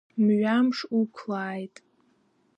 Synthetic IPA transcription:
mɥamʂukʷʰlaːjtʼ

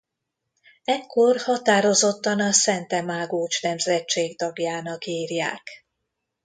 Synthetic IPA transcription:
ɛkːo̞rhɒt̪aːɾo̞zo̞t̪ːɒnɒsɛnt̪ɛmaːɡoːt͡ʃnɛmzɛt͡ʃːeːɡt̪ɒɡjaːnɒkiːrjaːk

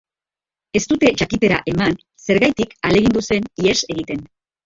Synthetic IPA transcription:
e̞st̪ut̪e̞ʝakit̪e̞ɾa̰ʔe̞man | se̞ɾɣajt̪ikale̞ɣ̞ind̪use̞niese̞ɣ̞it̪e̞n

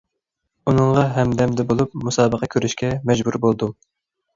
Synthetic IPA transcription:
unɨŋʁɑɦɛmd̪ɛmd̪ɛbolˠup̚musɑːbəqʰɑkʲʰøɾyʃkʲɛmɛd͡ʒbuɾbolˠd̪u

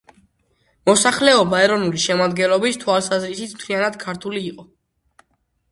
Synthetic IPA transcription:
mɔsaχlɛɔbaɛɾɔnuliʃɛmad̪ɡɛnlˠɔbist̪ʰwalˠsazɾisit̪smt̪ʰlianad̪̥kʰaɾt̪ʰuliːqʼɔ

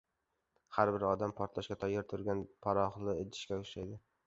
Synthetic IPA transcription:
haɾbɪɾɒd̪ampʰɒɾt̪laʃkʲat̪ʰɒjːɪɾt̪ʰʊɾɡʲanpʰaɾɒχlˠɪet̪ʰɪ̥ʃkʲaʊʃajd̪ɪ

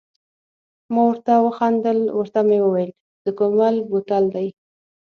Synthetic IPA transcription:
mɑwəɾt̪awəxɑnd̪əlwəɾt̪amewəwajl | d̪̥əkomalbot̪ald̪aj

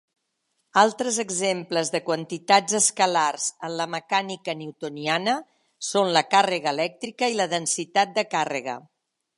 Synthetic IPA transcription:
alˠt̪ɾəzəɡzempləzðəkwənt̪it̪ad͡zəskəlarz̥ənləməkanikənewt̪unianə | sonləkarəɣəːlɛk̚t̪ɾikəiləðənsit̪at̪̚d̪əkarə̰ɣə̰

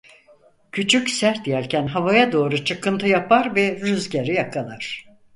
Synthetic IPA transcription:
cʰyt͡ʃʰycʲsæɾt̪̚ijæɾcʰænɦavajad̪o̞ːɾut͡ʃʰɯkʰɯnt̪ʰɯjapʰaɾvɛɾyzɟeɾijakʰalˠaɾ̥

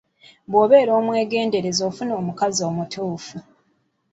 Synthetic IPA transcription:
bwo̞ːβe̞ːɾo̞ːmwe̞ːɡe̞ːnde̞ɾe̞zo̞ːfunoːmukazio̞ːmutuːfu

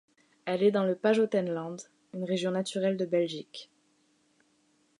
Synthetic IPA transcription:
ɛlɛd̪ɑ̃ləpaʒot̪ɛnlɑ̃d̪ | ynʁeʒjɔ̃nat̪yʁɛld̪əbɛlʒik

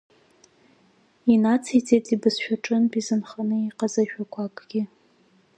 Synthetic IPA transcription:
inat͡sʰit͡sʰetʼibɨzʃᶣaʈ͡ʂʼɨnbizɨnχanɨiqazaʃᶣakʷʰakʼɡ̥ʲɪ

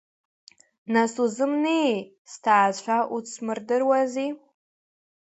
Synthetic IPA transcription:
nasuzɨmne | stʰaːt͡ɕʷʰaʔut͡sʰmɨrdɨrwazi

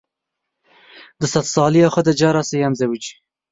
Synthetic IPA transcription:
d̪əsat̪sɑːliaxəd̪ad͡ʒɑɾɑsejamzawit͡ʃi̥

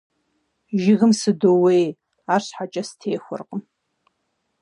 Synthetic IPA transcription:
ʒɪɣɨmsɨdowej | aːɕħat͡ʃʼɐstʰeːxʷʊ̰rqʼəm

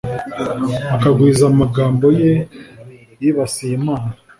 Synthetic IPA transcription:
akaɡwiːzamaɡaːmbo̞je | jiβasijimaːna

